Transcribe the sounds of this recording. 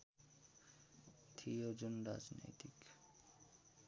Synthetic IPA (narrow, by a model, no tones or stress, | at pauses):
t̪ʰiod͡ʒonɾa̰d͡ʒno̰jt̪ik